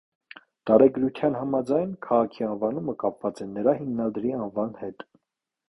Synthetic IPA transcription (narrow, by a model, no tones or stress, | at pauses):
t̪ɑɾɛɡɾut̪ʰjɑnɦɑmɑd͡zɑjnkʰɑʁɑkʰiɑnvɑnuməkɑpvɑt͡sɛnːəɾɑhimnɑd̪ɾiɑnvɑnhɛt̪